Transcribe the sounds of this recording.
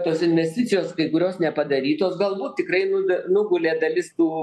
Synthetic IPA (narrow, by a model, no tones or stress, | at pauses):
t̪oːsɪnʲʋʲɛsʲt̪ʲɪt̪sʲɪjoːskɐɪkʊɾʲoːsnʲɛpɐd̪ɐɾʲiːt̪oːsɡɐlˠbuːt̪̚t̪ʲɪkrɐɪnʊnʊɡʊlʲeːd̪ɐlʲɪst̪uː